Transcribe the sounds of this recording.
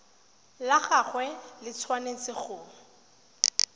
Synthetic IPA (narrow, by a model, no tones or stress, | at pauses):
laχaχwɛlɪt͡sʰwanet͡sɪχʊː